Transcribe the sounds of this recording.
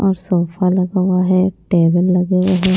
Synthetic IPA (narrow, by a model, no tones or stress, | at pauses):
ɔːɾsɔːfʰalɐɡawaɦɛʈeːbəlːɐɡeeɦɛ